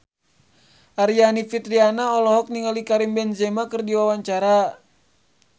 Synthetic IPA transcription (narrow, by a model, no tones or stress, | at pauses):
ʔaɾianifit̪ɾianaɔlɔɦɔk̚niŋalikaɾimbɛnzɛmakɨrdiwawaɲt͡ʃaɾa